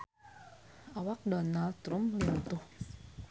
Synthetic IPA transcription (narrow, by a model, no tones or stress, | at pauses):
ʔawak̚dɔnaldt̪ɾumlint̪ʊh